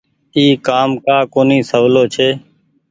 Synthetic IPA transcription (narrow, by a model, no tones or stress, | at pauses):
iːkaːmkaːkoːnĩːsəʋloːt͡ʃʰeː